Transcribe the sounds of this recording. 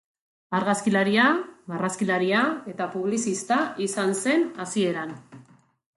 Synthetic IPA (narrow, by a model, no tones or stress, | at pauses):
aɾɣaskilaɾiaβaraskilaɾiae̞t̪apuβ̞lisist̪aisanse̞nasie̞ɾan